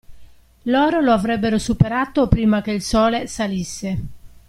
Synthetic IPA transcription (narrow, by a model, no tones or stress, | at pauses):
lɔːɾoloavɾɛbːeɾosupeɾaːt̪opɾiːmak̟eilsɔːlesalisːe